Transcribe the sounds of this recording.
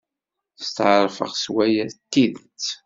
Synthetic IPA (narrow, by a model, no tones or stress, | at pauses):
θst̪ʕəɾˤfə̰ʁswæjæt̪ːiðt͡sː